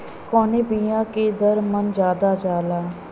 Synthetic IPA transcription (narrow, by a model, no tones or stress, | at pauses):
koːneːbiːãːkeːd̪əɾmənd͡ʒjaːd̪aːd͡ʒaːlaː